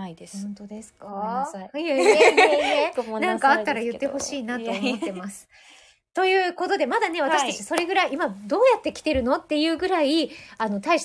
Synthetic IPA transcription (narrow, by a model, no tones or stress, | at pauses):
õnt̪od̪esɨ̥ka | nãŋkaːt̪ːaɾajɯ̟t̪ːe̞ho̞ɕiːnat̪o̞ːot̪ːe̞mmasɨ̥ | t̪o̞jɯ̟ːko̞t̪o̞d̪e̞mad̪ane̞β̞at̪aɕi̥t̪at͡ɕiso̞ɾe̞ɡɯ̟ɾaiimad̪o̞ːjat̪ːe̞kʲi̥t̪e̞ɾɯ̟no̞t̪ːe̞jɯ̟ːɡɯ̟ɾaiano̞t̪aiɕ